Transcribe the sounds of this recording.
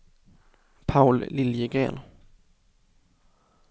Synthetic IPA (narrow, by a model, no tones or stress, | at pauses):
pʰaʊlːɪljəɡʁḛːn